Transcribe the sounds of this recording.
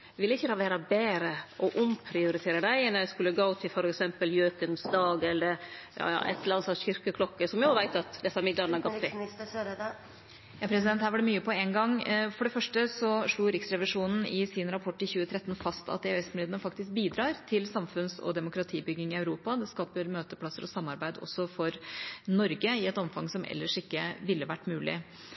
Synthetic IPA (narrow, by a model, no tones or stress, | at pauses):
ʋɪlːəɪçːəd̪ɛhɑʋæːɾɑbeːɾəɔʔʊmpʰɾɪʊɾɪt̪ʰeːɾəɖ̪æɪɛnːskʉlːəɡoʊt̪ʰɪfɔɾɛksɛmpəljøːkənsd̪ɑːɡɛlːəɾjɑ̰ːjɑ̰ːʔɛ̰t̪ʰːlɾɑnsɑnçʏɾkəkʰlɔkːəsɔmjɔʋæɪt̪ɑt̪d̪ɛsːɑmɪd̪lɑɾnəæɾɡɔt̪ː | jɑpʰɾɛsɪd̪ɛnt̪hæːʋɑɖɛmyːəpʰɔɛnɡɑŋfɔɖɛfœʂʈəsɔʂɭuːɾɪksɾɛʋɪʂuːnn̩ɪsɪnɾɑpʰɔʈːɪçʉːət̪ʰɾɛt̪ːn̩fɑst̪ɑ̰t̪̚d̪ɛɛsmlɪːd̪əɳəfɑkt̪ɪsk̚biːd̪ɾɑːɾt̪ʰɪlsɑmfʉnsɔ̰d̪ɛmʊkɾɑt̪ʰiːbʏɡːɪŋɪɑʉɾuːpɑd̪ɛskɑːpəɾmøːt̪əpʰlɑsːəɾɔsɑmːɑɾbæɪd̪ɔ̰sːɔfɔɾnɔɾɡəɪɛt̪ɔmfɑŋsɔmʔɛ̰lːəʂɪkːəʋɪlːəʋæʈːmʉːlɪ̰